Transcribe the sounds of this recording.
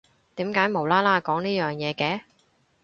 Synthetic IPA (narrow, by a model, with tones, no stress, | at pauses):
t̪iː˨˥mkaː˨˥jmo˨˩wlaː˥laː˥kɔː˨˥ŋniː˥jœː˨˩ŋjɛː˨˧kɛː˨˥